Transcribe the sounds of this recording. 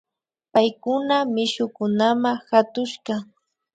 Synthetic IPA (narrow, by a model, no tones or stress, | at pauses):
pajkʊnamɪʃʊkʊnamahat̪ʊʃɢɑ